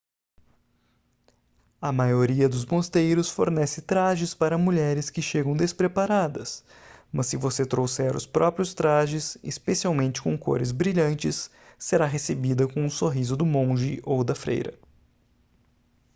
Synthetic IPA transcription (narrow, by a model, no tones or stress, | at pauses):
ɐmajoɾiɐd̪ʊzmost̪ejɾʊsfoɾnɛsɪt̪ɾaʒɪspaɾɐmuʎɛɾɪskɪʃeɡɐ̃w̃d̪espɾepaɾad̪ɐs | mɐsːɪvoset̪ɾowsɛɾʊ̰spɾɔpɾijʊst̪ɾaʒɪsɪspesiawmẽnt͡ʃɪ̥kõko̰ɾɪzbɾiʎɐ̃nt͡ʃɪsː | eɾaɦesebid̪ɐkõũsoɦizʊd̪ʊmõʒɪʔowd̪ɐfɾḛjɾɐ̰